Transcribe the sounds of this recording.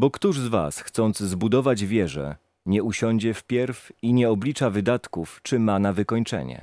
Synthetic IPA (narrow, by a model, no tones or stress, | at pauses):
bɔkt̪uʐzva̰sxt̪sɔnd̪zzbud̪ɔvad͡ʑvʲjɛʐɛ̰ | ɲɛuɕɔɲd͡ʑɛfpʲjɛɾfiɲɛɔblʲit͡ʂavɘd̪at̪kuft͡ʂɘmanavɘkɔɲt͡ʂɛ̰ɲɛ̰